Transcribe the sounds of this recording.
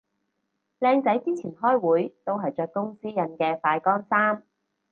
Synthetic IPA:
lɛː˧ŋt͡sɐ˨˥jt͡siː˥t͡sʰiː˨˩nhɔː˥jwuː˨˥jt̪o˥wɦɐ˨jt͡ʃœː˧kːʊ˥ŋsiː˥jɐ˧nkɛː˧faː˧jkɔː˥nsaː˥m

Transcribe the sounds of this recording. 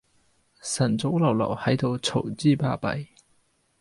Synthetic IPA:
sɐ˨˩nt͡so˨˥wlɐ˨˩wlɐ̰˨˩whɐ˨˥jt̪o˧wt͡sʰo˨˩wt͡siː˥˩pa̰ː˧pɐ̰˨˧j

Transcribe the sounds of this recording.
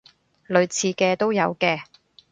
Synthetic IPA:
lɵ˨˧ɥt͡sʰiː˨˧kɛː˧t̪o˥wjɐ˨˧wkɛː˧

